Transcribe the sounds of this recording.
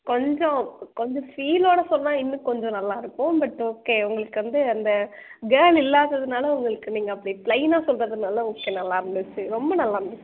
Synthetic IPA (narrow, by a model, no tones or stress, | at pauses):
kɔɲd͡ʒɔ̃kɔɲd͡ʒɔ̃fiːloːɽɐsɔlːaːɪnːɯkɔɲd͡ʒɔ̃nɐlːaːɪɾɯpːʊ̃bɐʈːoːkːeːʊŋɡɐɭɯkːɯʋɐnd̪ɯɐnd̪ɐɡeːlɪlːaːðɐðɯnaːlɐʊŋɡɐɭɯkːɯniːŋɡɐɐpːɐɽipɭɐɪnaːsɔlrɐðɯnaːlɐoːkːeːnɐlːaːɪɾɯnd̪ɯt͡ʃːɯɾɔmbɐnɐlːaːɪɾɯnd̪ɯt͡ʃː